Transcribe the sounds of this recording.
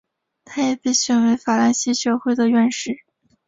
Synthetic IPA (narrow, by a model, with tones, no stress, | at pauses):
t̪ʰa˥jɛ˨˩pe˥˩ɪɕɥɛ˨˩nwe˧˥ɪfa˨˩la˥nɕi˧˥ɕɥɛ˧˥xwe˥˩ɪd̪ə˨ɥɛ˥˧nʂɻ̩˥˩